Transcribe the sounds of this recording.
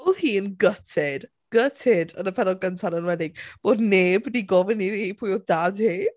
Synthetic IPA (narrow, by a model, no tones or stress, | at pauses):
lˠhiːənɡətʰɪd̥ | ɡ̥ətʰɪdənəpʰɛdɔɡəntʰanənwɛdɪɡ̚b̥oːdneːbdiɡɔvɪniiːpʰujɔdadhiː